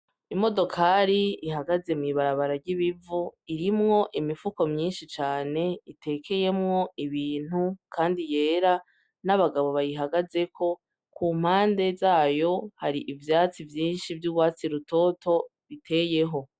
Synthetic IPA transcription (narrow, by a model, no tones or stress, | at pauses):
imo̞do̞kʰaːɾiiɦaɡaze̞mŋiːβaɾaβaɾaɾɟiβivuiɾimŋo̞ʔimifuko̞mɲiːnʃit͡ʃaːne̞itʰe̞ːkʰe̞je̞mŋo̞iβiːn̥hukʰaːndije̞ːɾa | naβaɡaβo̞βajiɦaɡaze̞kʰo̞ | kuːm̥haːnde̞zaːjo̞haɾiʔivjaːt͡sivjiːnʃivjuɡwaːt͡siɾuto̞to̞βitʰe̞ːje̞ɦo̞